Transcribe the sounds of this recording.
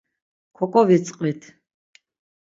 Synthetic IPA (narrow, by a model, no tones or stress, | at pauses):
kʰɔkʼɔvit͡sʼqʼit̪ʰ